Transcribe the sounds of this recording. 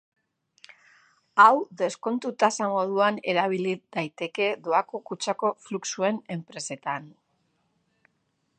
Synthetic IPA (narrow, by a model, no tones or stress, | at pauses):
awðe̞sko̞nt̪ut̪asamo̞ð̞uane̞ɾaβ̞iliðajt̪e̞ke̞ðoakokut͡ʃako̞fluksue̞ne̞mpɾe̞se̞t̪an